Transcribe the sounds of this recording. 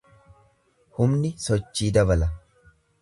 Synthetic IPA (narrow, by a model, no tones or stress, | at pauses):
hʊmnɪsɔt͡ʃːiːd̪ɐbɐlɐ